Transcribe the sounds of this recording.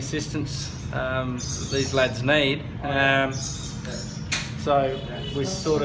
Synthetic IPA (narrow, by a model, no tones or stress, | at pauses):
ɨsɪstɨ̃ns | ʌ̃ðəðizlædznid̥̚ | soʊ | wisɔɾə